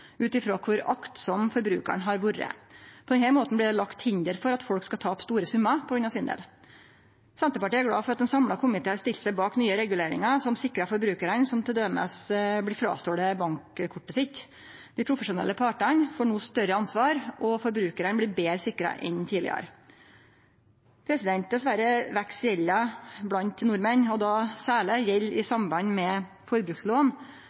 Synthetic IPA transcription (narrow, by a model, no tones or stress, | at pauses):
ʉːt̪ɪfɾoːkʰʊɾɑkt̪sɔmfɔɾbɾʉ̰ːkə̰ɳɦɑɾʋuɾə̰pʰɔd̪ɛnhɛɾmoːt̪nblɪːd̪ɛlɑkt̪hɪnd̪əɾfɔɾɑt̪fɔlkskɑt̪ʰɑːɔpst̪uːɾəsʉmːɑpʰɔɡɾʉnɑsiːnd̪ḛːl | sɛnt̪əpɑʈiːæɾɡɽɑ̰ːfɔɾɑt̪̚d̪ɛnsɑmlɑkʰʊmɪt̪eːɑɾst̪ɪlsəbɑːknyːəɾɛɡʉleːɾɪ̰ŋɑsɔmsɪkːɾɑfɔɾbɾʉːkəɾənsɔmt̪ʰɪld̪øːmə̰sblɪfɾɑ̰ːst̪oːd̪əbɑŋkkʰʊʈːəsɪt̪ | d̪̥ɪpʰɾʊfəʂʊnɛ̰lːəpʰɑːʈɑnfoːɳuːst̪œɾəɑnsʋɑːɾʔɔfɔɾbɾʉːkəɾənbliːbeːɾəsɪkːɾɑ̰ʔɛ̰nt̪ʰiːdlɪ̰ə̰ɾ | pʰɾɛsɪd̪ɛnt̪̚d̪ɛsʋæɾəʋæksjɛlːɑblɑnt̪nʊɾmənɔd̪ɑsæːɭəjɛlːɪsɑmbɑɲːmɛ | fɔɾbɾʉːksloːn